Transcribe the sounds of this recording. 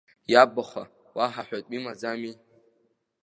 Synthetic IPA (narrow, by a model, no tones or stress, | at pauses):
jabaχʷa̰ | waħaħʷᶣatʼimad͡zami